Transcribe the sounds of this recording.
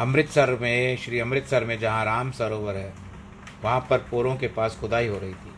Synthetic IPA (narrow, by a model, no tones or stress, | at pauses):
ɐmɾɪt̪sɐɾmẽʃɾiːɐ̃mɾɪt̪sɐɾmẽd͡ʒɐɦãɾaːmsɐɾoːʋəɾɦɛ̃ | ʋɐɦãpɐɾpoːɾõkepaːsxʊd̪aːiɦoɾɐɦit̪ʰiː